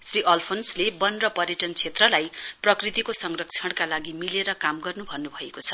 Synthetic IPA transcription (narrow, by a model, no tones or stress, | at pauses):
sriʔʌlpʰonslebʌnrʌpʌrjeʈʌnt͡sʰet̪rʌlajprʌkrit̪ikosʌŋrʌk̚t͡sʰʌɽ̃kalaɡimileɾʌkamɡʌrnubʱʌnːubʱʌekot͡sʰʌ̥